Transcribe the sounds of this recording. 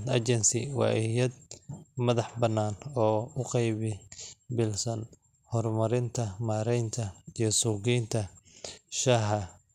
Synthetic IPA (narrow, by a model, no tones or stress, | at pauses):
t̪ɐ̰t͡ʃɛnsɪ̰wɑ̰ːʔɪjɐd̪̚mɐðɑħbɐnːaːnɔːʊqɑjβɪbɪlsɐn | hɔrmɐɾɪnt̪ʰɐmaːɾɛjnt̪ʰɐijɞsuːɣiːnt̪ʰɐ | ʃɐɦɐ